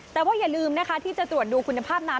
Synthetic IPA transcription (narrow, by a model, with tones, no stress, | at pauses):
t̪ɛː˨˩waː˥˩jaː˨˩lɯː˧mna˦˥kʰa˦˥t̪ʰiː˥˩t͡ɕa˨˩t̪ɾu˨˩ət̪̚duː˧kʰu˧nːa˧pʰaː˥˩p̚na˦˥